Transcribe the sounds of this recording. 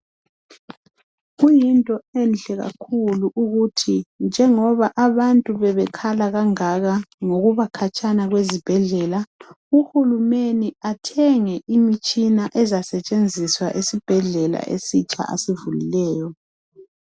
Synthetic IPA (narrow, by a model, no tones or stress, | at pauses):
ɣujintʼɔɛnɬʼɛɣa̰kʰuluʔuɣutʰind͡ʒʱɛŋɔβaʔaβantʼuβɛβɛkʰalaɣaŋaɣaŋoɣuβakʰat͡ʃʼʰanaɣwezib̥ʱɛɮɛla | uhulumeniatʰɛŋɛʔimit͡ʃʼinaʔɛzasɛt͡ʃʼend͡zʱiswa̰ʔesib̥ʱɛɮɛla̰ʔḛsit͡ʃʼa̰ʔa̰sivulḭlɛːjɔ